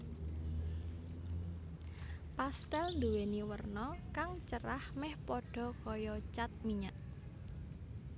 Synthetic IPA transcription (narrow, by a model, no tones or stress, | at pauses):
past̪ɛlnd̪uweniwərnɔkaŋt͡ʃəɾahmɛhpɔɖ̥ɔ̤kɔjɔt͡ʃat̪̚miɲaʔ